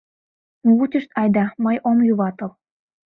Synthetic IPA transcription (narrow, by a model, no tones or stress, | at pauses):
nuut͡ɕʲə̆ʃt̪ɑjd̪ɑmɤjʔomjuβɑt̪ɤl